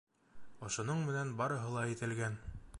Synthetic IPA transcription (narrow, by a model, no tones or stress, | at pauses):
ŏʃŏnoɴmɘ̆nænbɑɾɤ̆ɦɤlˠɑit̪ɘ̆lɡæn